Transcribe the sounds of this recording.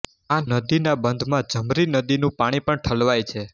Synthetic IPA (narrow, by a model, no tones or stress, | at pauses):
anəd̪inabənd̪ʱmãd͡ʒəmɾinəd̪inũpaɽ̃ipəɳʈʰəlʋajt͡ʃʰe